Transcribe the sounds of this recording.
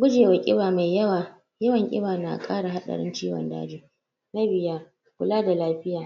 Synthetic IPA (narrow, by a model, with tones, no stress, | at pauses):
ɡʷʊ˦d͡ʒeː˨wa˨kʲʼɪ˦baː˨ma˨jːɐ˦waː˨ | jɐ˦wɐ˨ŋkʲʼɪ̰˦baː˨na̰˨kʼaː˦ɽa˨ɦa˦ɗɐ̰˨ɽɪ̰˦nt͡ʃiː˦wɔ̰˨nda̰ː˦d͡ʒiː˦ | na˦bɪ˨jaː˦ | kʷʊ˦laː˦da˨laː˦ɸɪ˦jaː˨